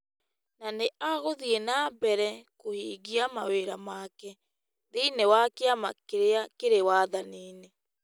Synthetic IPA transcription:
naneʔaɣoðienabɛɾɛkohiːɣiamaweɾamakɛ | ðeinewakeamakeɾeakeɾewaðaniːne

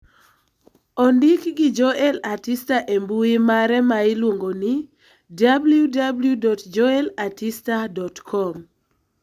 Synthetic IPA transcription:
ɔndɪkɡɪd͡ʒoʔɛlatistaʔembuimaɾɛmaɪlwoŋɡonɪ | dabljudabljudɔtd͡ʒɔɛlatistadɔtkʰɔm

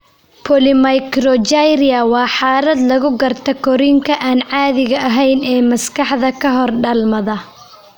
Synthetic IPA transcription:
pʰɔlɪmɐjkɾɔd͡ʒajɾɪɐwɑːħɑːlɐd̪lɐɣʊɡɐrt̪ʰɐkʰɔɾiŋkʰɐʔaːnʕɑːðɪɣɐʔɐɦɛjnɛːmɐskʰɑħðɐkʰɐɦɔrɖɐlmɐðɐ

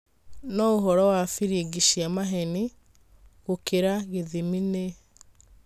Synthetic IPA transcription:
nɔoɦɔɾɔwafiɾieɡiɕiamaɦɛni | ɣokeɾaɣeðimine

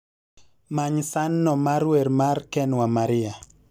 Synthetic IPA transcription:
maɲsanːɔmaɾweɾmarkɛnwamaɾɪa

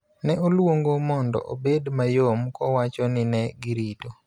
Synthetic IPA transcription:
nɛolwoŋɡomɔndɔ̰ʔo̰bedmajomkɔwat͡ʃɔnɪnɛɡɪɾito

